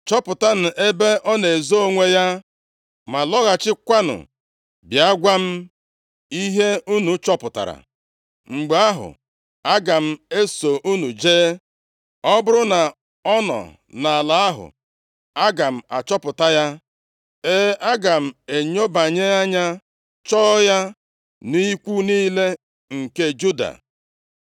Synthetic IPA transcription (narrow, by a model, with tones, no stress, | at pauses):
t͡ʃɔ˦pʊ˨ta˦n̩˨ʔe˦be˦ʔɔ˦ne˨zo˦o˦ŋʷe˦ja˦ | ma˨lɔ˦ɣa˨t͡ʃɪ˦kʷa˦nʊ̰˨ | bja˦ɡʷa˦m̩˦ | i˦ɦe˦u˦nu˨t͡ʃɔ˦pʊ˨ta̰˨ɾa̰˨ | ŋ͡m̩˨ɡ͡ba˦ɦʊ̰˨ | a˦ɡa˨m̩˦e˦so˨ʔu˦nu˨d͡ʒeː˦ | ɔ˦bʊ˦ɾʊ˦na˨ | ɔ˦nɔ̰˨ | na˨a˨la˨a˦ɦʊ̰˨ | a˦ɡa˨m̩˨a̰˨t͡ʃɔ˦pʊ˨ta˦ja˦ | e˦a˦ɡa˨m̩˨e˨ɲo˦ba˨ɲe˦a˦ɲa˦ | t͡ʃɔː˦ja˦ | ni˦kʷu˦niː˦le˦ | ŋ̩˨ke˦d͡ʒu˦da̰˨